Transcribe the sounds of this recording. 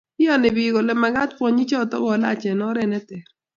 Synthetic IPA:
ɪ˦jɔ˦nɪ˨bi˨ɡo˨lɛ˨˦ma˨ɡa˦tpwɔ˦ɲi˦t͡ʃɔ˦˨tɔ̰˦bɔ˨la̰˦˨t͡ʃɛ˨nɔ˦ɾɛ˦˨nɛ˦t̪ɛ˨ɾ

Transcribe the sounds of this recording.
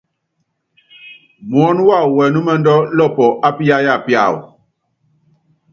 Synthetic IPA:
mwɔ˦n˦wa˦˨wɛ˨nu˦mɛ˦ndɔ˦lɔ˦˨pɔ˨ʔa˦pi˦ja˦ja˦˨pja̰˦˨w̰

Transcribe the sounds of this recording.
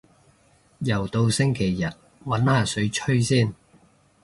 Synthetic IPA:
jɐ˨˩wt̪o˧wsɪ˥ŋkʰe˨˩jːɐ˨t̚ | wɐ˨˥nhaː˨sɵ˨˧˥ɥt͡ʃʰɵ˥ɥsiː˥˩n

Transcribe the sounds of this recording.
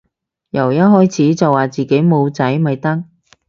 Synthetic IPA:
jɐ˨˩wjɐ˥ɦɔː˥jt͡sʰiː˨˥t͡sɐ˨wːaː˨t͡siː˨ke˨˥jmo˨˧wt͡sɐ˨˥jmɐ˨jt̪ɐ˥ŋ̚

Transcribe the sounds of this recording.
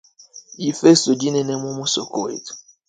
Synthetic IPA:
i˨fe˦so˨d͡ʒi˦nɛ˨nɛ˦mũ˦mu˦so˨ko˦wḛ˨tu̥˨

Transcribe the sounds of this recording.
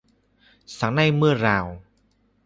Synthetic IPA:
sa˨˩˦ŋnaː˥˩jmɯ˥˩ɐɾaː˧w

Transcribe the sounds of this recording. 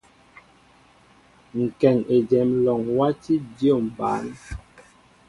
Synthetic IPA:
ŋ̩˨kɛ˨ŋe˨d͡ʒɛ˨˦mlɔ˨ŋwa˦ti˦djo˦˨m̩˨ba̰ː˨˦n

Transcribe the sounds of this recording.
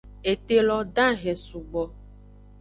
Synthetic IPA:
e˨t̪e˦lɔ˦ɖã˦ɣɛ˨su˨ɡ͡bɔ˨

